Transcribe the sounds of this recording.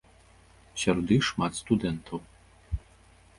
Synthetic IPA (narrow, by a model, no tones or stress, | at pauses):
ɕʲɔɾɔd̪ɨxʂmat̪st̪ud̪ɛnt̪ʰɐw